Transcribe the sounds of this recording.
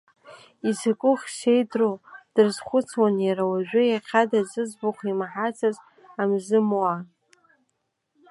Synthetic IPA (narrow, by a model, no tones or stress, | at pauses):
izakʷʼʊχʲʃe̞jdrod̥ɨrzχʷʊt͡sʰwanjaɾawaʒᶣʷʏjaqʲʰadazɨzbʊχʷimħat͡sʰaz | amzɨmwa